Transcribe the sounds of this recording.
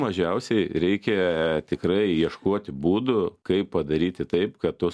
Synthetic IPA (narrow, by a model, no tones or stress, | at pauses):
mɐʒʲɛʊsʲɛɪɾʲɛɪkʲɛt̪ʲɪkɾɐɪiɛʃkoɔt̪ʲɪbuːd̪ʊkɐɪpːɐd̪ɐɾʲiːt̪ʲɪt̪ɐɪpkɐt̪tʊ